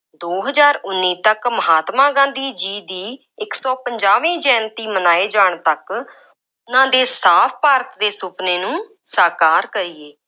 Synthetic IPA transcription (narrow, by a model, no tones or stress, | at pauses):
d̪oːɦəzaːɾʊnːiːt̪əkməɦaːt̪mãːɡãːnd̪iːd͡ʒiːd̪iː | ɪksɔːpəɲd͡ʒaːʋĩːd͡ʒɛ̃ːnt̪iːmənaːeːd͡ʒaːɳt̪ək | ʊnãːd̪eːsaːpʰpaːɾt̪d̪eːsʊpneːnũːsaːkaːɾkəɾiːeː